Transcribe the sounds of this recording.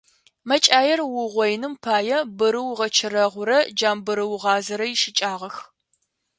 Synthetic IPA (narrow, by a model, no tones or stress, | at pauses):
mɐt͡ʃʼaːjɛrwʊʁʷɔjnɨmpʰaːjɛbɨɾɨwʁɐt͡ʃʰɨrɐʁʷʊɾɐd͡ʒaːmbɨɾɨwʁɑːzɐɾɐjɪʃɪt͡ʃʼaːʁɐx